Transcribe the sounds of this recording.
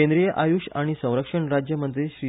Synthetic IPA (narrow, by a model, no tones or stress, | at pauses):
ẽnd̪ɾijəʔajuːʂaɽ̃isə̃w̃ɾəkʂəɳɾad͡ʑjəmənt̪ɾiɕɾi